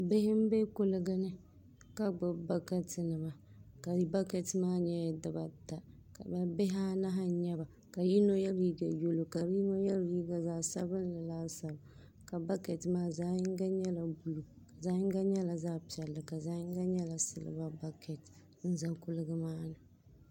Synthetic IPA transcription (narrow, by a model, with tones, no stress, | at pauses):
bɪ˦hɪ˦m̩˦be˦kʊ˨lɨ˦ɡɨ˦nɨ˦ | ka˦ɡ͡bʊ˨ba˦kɛ˦tɨ˨nɨ˨ma˨ | ka˨ɾi˦ba˦kɛ˨tmaː˦ɲɛ˦ja˨dɨ˨ba˨ta˨ | ka̰˨bɛ˦bɪ˦ɦa˦na˦ɦa˦ɲɛ˦ba˨ | ka˨ji˦no˦jɛ˦lji˦ɡa˨jo˦lo˨ka˨ɾi˦no˦jɛ˦lji˦ɡa˨zaː˦˨sa˦bɨ˦n˦la˨laː˦sa˨b | ka˨ba˦kɛ˨tɨ˨maː˦zaː˦jɪ˦ŋ˦ɡa˦ɲɛ˦la˨bu˨lu˨ | ka˨zaː˦jɪ˦ŋ˦ɡa˦ɲɛ˦la˨zaː˦pi˨ɛ˨lːɨ˨ka˨zaː˦ɪ˦ŋ˦ɡa˦ɲɛ˦la˨sɨ˦˨lɨ̰˦ba˦ba˦kʰɛ˨t | n̩˦za˦kʊ˨lɨ˦ɡɨ˦maː˦nɨ˨